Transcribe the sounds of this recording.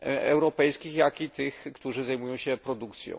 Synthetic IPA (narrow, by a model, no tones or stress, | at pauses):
ɛ̰wɾɔpɛjskʲixjakit̪ɘxkt̪uʐɘzajmujɔ̃w̃ɕɛpɾɔd̪ukt̪sʲjɔ̰̃w